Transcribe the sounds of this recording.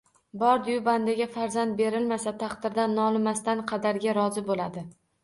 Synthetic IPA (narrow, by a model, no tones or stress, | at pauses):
bɒɾd̪ɪjʊband̪aɡʲafaɾzant̪̚be̞ɾɪlmasat̪ʰɑqd̪ɪɾd̪anːɒlˠmast̪anqʰɑd̪aɾɡʲaɾɒzɪbolad̪ɪ